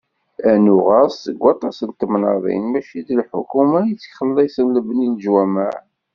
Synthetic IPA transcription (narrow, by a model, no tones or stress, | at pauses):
ænuʁæsːəɡʷːɑt̪ˤɑsənt̪ːəmnəðˤḭnmæʃid̪əlħʊ̰kumæjət͡sːçχəlːisənləbənilʒwæmaʕ